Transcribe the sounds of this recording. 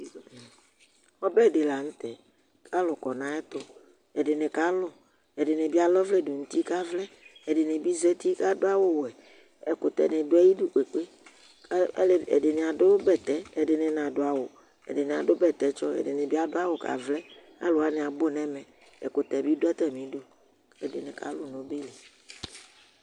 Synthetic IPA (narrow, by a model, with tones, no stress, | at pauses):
ɔ˦bɛ˦˨de˨la˨ŋ̩̃˦t̪ɛ˨ | kʰa˦lʊ˨kɔ˨nã˦ɛ˦t̪o˦ | e˨dɪ˨ne˨ka˦lʊ˦ | e˨ɖɪ˨nẽ˨bi˦a˨lɔ˦vlɛ˦˨do˨ŋ̩˨t̪i˦ka˦vlɛ˦e˨ɖe˨ne˨bi˦zɛ˦t̪i˦ka˦do˦a˦wo˦wɛ˨ | e˨ko˨t̪ɛ̰˨nẽ˨ɖo˦ɛ˦ji˦du˦k͡pe˨k͡pe˦ | le˨ḛ˨de˨ne˨a˨ɖo˦bɛ˨t̪ɛ˨e˨dɪ˨nẽ˨nã˨ɖo˦a˨wo˨ | ḛ˨de˨nẽ˨a˨do˦bɛ˨t̪ɛ˨t͡ʃɔ˦ḛ˨de˨nẽ˨bi˦a˦do˦a˦wo˨ka̰˨vlɛ˦ | a̰˦lo˨a˨ne˨a˨bo˦nɛ̃˦mɛ̃˨ | ḛ˨ko˨t̪ɛ˨bi˦do˦ɛ˦t̪ɛ˨mĩ˦do˦ | e˨de˨nẽ˨ka̰˨lʊ˦nõ˨be˦le˨